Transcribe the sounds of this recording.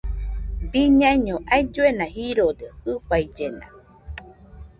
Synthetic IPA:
biɲãiɲõʔajd͡ʒoenãhiɾod̪ehɨpajd͡ʒena̰

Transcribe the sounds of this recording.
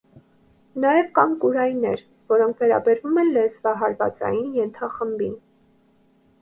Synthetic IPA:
nɑjɛvkɑnkuɾɑjnɛɾ | vɔɾɔŋkʰvɛɾɑ̰bɛɾvumɛnlɛsvɑɦɑɾvɑ̰t͡sɑ̰jinjɛnt̪ʰɑχəmbin

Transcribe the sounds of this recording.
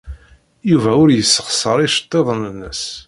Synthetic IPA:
juvæʊɾjəsːəχsəɾˤiʃə̥t̪ˤːeðˤənənːəs

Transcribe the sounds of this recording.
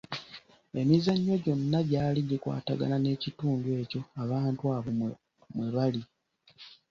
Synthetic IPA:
e̞mizaɲːo̞ɟo̞nːaɟaːliɟikwa̰ːtaɡa̰nane̞ːcituːnduwe̞ːco̞aβaːntuwaːβo | mweβali

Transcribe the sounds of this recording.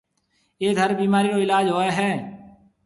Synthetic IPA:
eːd̪ʱəɾbiːmaːɾiːɾoːɪlaːd͡ʒɦoːeːɦɛː

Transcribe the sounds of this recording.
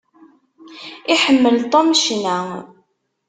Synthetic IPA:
iħəmːəlt̪ˤomʃnæ

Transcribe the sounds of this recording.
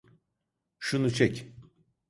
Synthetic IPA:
ʃunut͡ʃʰɛc

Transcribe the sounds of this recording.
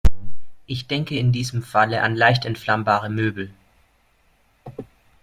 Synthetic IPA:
ʔɪçd̥ɛŋkəɪndiːzəmfaləʔa̰nlaɪçtɛntflambaːʁ̞əmøːbl̩

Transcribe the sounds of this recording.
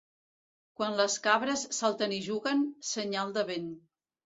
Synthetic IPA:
kwanləskaβɾəsːalˠt̪əniʒuɣənsəɲalˠd̪əβen

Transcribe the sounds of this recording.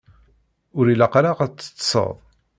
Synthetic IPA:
ʊɾilaqɾaʁæt͡sːə̥t͡sːsˤə̰ðˤ

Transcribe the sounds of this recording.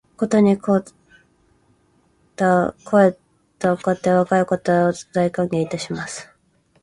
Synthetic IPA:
ko̞t̪o̞ɲ̟iko | t̪akʰo̞e | t̪okot̪ːeβakaiko̞t̪od̪aikãŋɡe̞ːit̪aɕimasɨ̥

